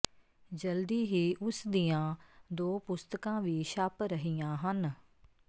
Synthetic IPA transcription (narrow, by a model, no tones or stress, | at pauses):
d͡ʒəld̪iːɦiːʔʊsd̪ijãːd̪oːpʊst̪əkãːʋiːʃaːpɾəɦijãːɦən